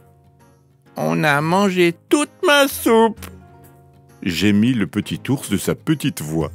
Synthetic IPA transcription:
ɔ̰̃namɑ̃ʒet̪ut̪̚masup | ʒemiləpət̪it̪uʁsd̪əsapət̪it̪vwa

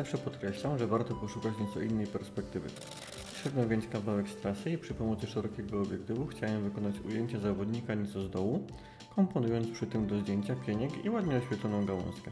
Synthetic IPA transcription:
zafʂɛpɔt̪kɾɛɕlamʐɛvaɾt̪ɔpɔʂukat͡ɕɲɛt̪sɔʔinːɛjpɛɾspɛk̚t̪ɘvɘ̰ | t̪ɕɛd̪nɔ̃vʲjeɲt͡ɕkavawɛkst̪ɾasɘipʂɘpɔmɔt̪sɘʂɛɾɔkʲɛɡɔːbʲjɛkt̪ɘvuxt͡ɕawɛmvɘkɔnat͡ɕṵjeɲt͡ɕazavɔd̪ɲikaɲɛt̪sɔzd̪ɔwu | kɔmpɔnujɔ̃nt̪spʂɘt̪ɘmd̪ɔʑd̪ʲjeɲt͡ɕapʲjeɲɛkḭwad̪ɲɛɔɕfʲjɛt̪lɔnɔ̃w̃ɡawɔ̰̃skɛ

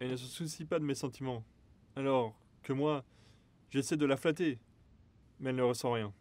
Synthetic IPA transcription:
ɛlnəs̬əsusipad̪əmɛsɑ̃t̪ʰimɑ̃ | alɔʁ | kəmwa | ʒesɛd̪əlaflat̪e | mɛɛlnəʁəsɑ̃ʁjɛ̃

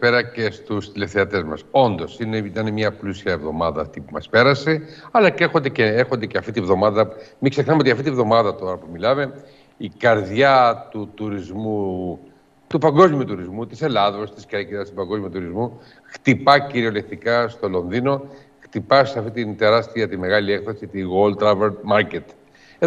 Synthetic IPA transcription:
peɾɐce̞st̪ust̪ile̞fθeɐt̪e̞zmɐ̰so̞nd̪o̞sineit̪ɐnemɲɐplusiɐevðo̞̰mɐðɐːft̪ipumɐ̰spe̞ɾɐse̞ɐlɐcexo̞nd̪eceexo̞nd̪eceɐft̪it̪ivðo̞mɐðɐmikse̞xnɐmeoiɐft̪it̪ievðo̞mɐðɐt̪o̞ɾɐpumilɐme̞ | ikɐɾðʝɐt̪ut̪uɾizmu | t̪upɐŋɡo̞zmiut̪uɾizmut̪ise̞lɐðo̞st̪iskkiɐst̪u̥pɐŋɡo̞zmiuot̪uɾizmu | xt̪ipɐciɾio̞lekt̪ikɐst̪o̞lo̞nðino̞ | xt̪ipɐseɐft̪it̪int̪e̞ɾɐst̪iɐt̪ime̞ɣɐliekθosit̪iɣo̞lt̪ɾɐveɾmɐɾcet̪ | e

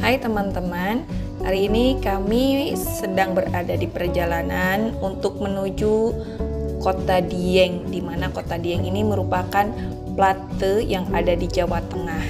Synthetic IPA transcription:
hajt̪əmant̪əman | ha̰ɾiːnikamisədaŋbəɾadadipərd͡ʒalananunt̪ʊk̚mənud͡ʒu | kot̪adiɛŋdimanakot̪adiɛŋiniməɾupakan | plat̪əjaŋadadid͡ʒawat̪əŋah

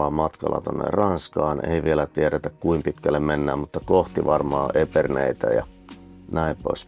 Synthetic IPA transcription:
ɑmɑt̪kɑ̰lːɑ̰t̪onːḛrɑnskɑːnḛiʋielæt̪ieɾet̪ækkuimpit̪kælːemmenːæːmmut̪ːɑkoht̪iʋɑrmɑ̰ːʔepernḛit̪æjɑ̰ | næimpois

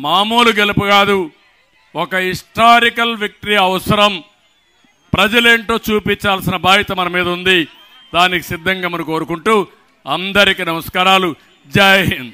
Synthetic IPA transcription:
maːmuːluɡelupuɡaːd̪u | ɔkɐɦiʂʈaːɾikɐlʋɐk̚ʈɐɾiɐʋɐsɐɾɐm | pɾɐd͡ʒɐle̞ːɳʈo̞ːt͡ʃuːpiɲt͡ʃaːlsinɐbʱaːɦit̪ɐmɐnɐmiːd̪ɐund̪i | d̪aːniki̥sid̪ʱːɐŋɡɐmɐniko̞ːɾukuɳʈuː | ɐnd̪ɐɾikinɐmɐskaːɾaːlu | d͡ʒaːjɐnd̪i

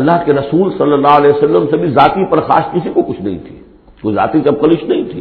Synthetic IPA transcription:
ɐlːaɦkeɾɐsuːlsɐlːəlːaːɦɐlɛːsɐlːəmsebʱizaːt̪ipɐɾxa̰ːskɪsikokʊt͡ʃʰnɐɦḭ̃t̪ʰi̥ | koza̰ːt̪iseɐb̚kɐlɪʃnɐɦĩt̪ʰḭː

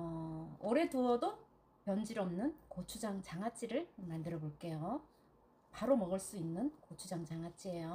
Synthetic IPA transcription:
ʌoɾe̞toʌdo | pjʌnd͡ʑiɾʌmnɯnkot͡ɕʰud͡ʑaŋt͡ɕaŋɦat͡ɕ͈iɾɯɭmandɯɾʌboɭk͈e̞jo | paɾomʌɡɯɭs͈uinːɯnkot͡ɕʰud͡ʑaŋt͡ɕaŋɦat͡ɕ͈ie̞jo

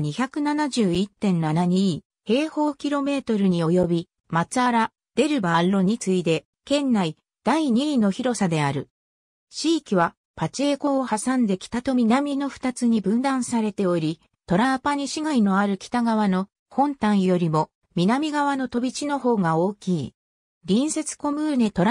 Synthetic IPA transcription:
ɲ̟içʲakɯ̟nanaʑɨːit̪ːẽ̞nːanaɲ̟i | he̞ːho̞ːkʲiɾo̞me̞ːt̪o̞ɾɯ̟ɲ̟io̞jo̞bʲi | mat͡sɨaɾa | d̪̥e̞ɾɯ̟baɾːo̞ɲ̟it͡sɨid̪e̞ | kẽ̞nːai | d̪̥aiɲ̟ino̞çiɾo̞sad̪e̞aɾɯ̟ | ɕiːkʲiβa | pat͡ɕeːko̞ːhasãnd̪e̞kʲi̥t̪at̪o̞mʲinamʲino̞ɸɯ̟̥t̪at͡sɨɲ̟ibɯ̟̃nd̪ãɰ̃saɾe̞t̪e̞o̞ɾʲi | t̪o̞ɾapaɲ̟iɕiɡaino̞aɾɯ̟kʲi̥t̪aɡaβ̞ano̞ | hõ̞nt̪ãɰ̃jo̞ɾʲimo̞ | mʲinamʲiɡaβano̞t̪o̞bʲit͡ɕino̞ho̞ːɡao̞ːkʲiː | ɾʲĩɰ̃se̞t͡sɨ̥ko̞mɯ̟ːne̞t̪o̞ɾ

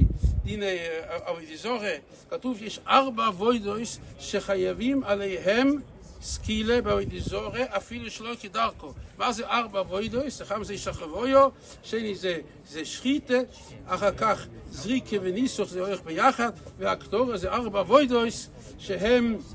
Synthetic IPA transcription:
dineavoɪdɪzɔʁe | katufjɛʃaʁbaavoɪdoɪsʃeχajevimalˠeɪɦɛm | skilˠebɪavoɪdɪzɔʁeʔafilˠəʃlˠoɪkɪdaʁkɔmazeʔaʁbavoɪdoɪsaχamzeɪʃaχavojɔ | ʃeɪnize | zeʃχite | aχakaχ | zʁikʰəvɪnisʊχzeoɪχbɪjaχadvɪaktɔʁəzeɪaʁbavoɪdoɪs | ʃɪɦɛm

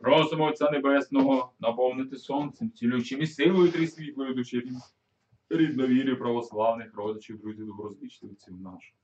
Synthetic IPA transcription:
prɔzɔmɔt̪ʲt͡sʲːanebɛsnɔɦɔnɐpɔwnɪt̪ɪsɔnt̪sɛmt͡sʲilʲut͡ʃimʲist̪ɪʋɔjʊt̪ɾɪsʲʋʲikˠɪd̪ʊt͡ʃiɾʲi | ɾʲid̪nɔʋʲiɾʲipɾɐʋɔslˠɑwnɪxrɔd̪et͡ʃɪwd̪ɾuzʲid̪ɔbɾɔzlʲit͡ʃt̪ɪsʲimnɑʃ

